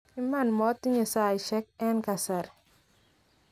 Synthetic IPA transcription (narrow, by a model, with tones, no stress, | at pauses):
i˦ma˦˨nmɔ˦tːi˦ɲa˨sa˦˨jʃɛ˦k̚ɛ˦nka˨sa˨ɾ